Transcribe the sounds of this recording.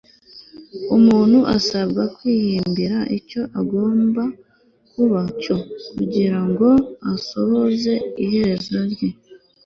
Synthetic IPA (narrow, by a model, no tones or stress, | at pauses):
umuːn̥huʔasabɡakwiːhiːmbiɾaʔico̞ʔaɡo̞ːmba | kuβaco̞kuɟiɾaŋɡo̞aso̞βo̞ze̞ihe̞ɾe̞zo̞ɾɟe̞